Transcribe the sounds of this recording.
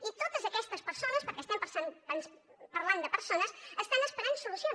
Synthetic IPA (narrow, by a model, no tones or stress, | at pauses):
it̪ot̪əzəkɛst̪əspəɾsonəspəɾkɛst̪ɛmpəɾsanpənspəɾland̪əpəɾsonəsəst̪anəspəɾensulusio